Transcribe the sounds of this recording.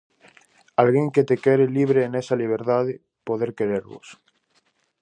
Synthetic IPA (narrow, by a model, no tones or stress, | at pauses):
alɣeŋket̪ekeɾeliβ̞ɾeːnesaliβ̞eɾt̪aðe | poðeɾkeɾeɾβo̰s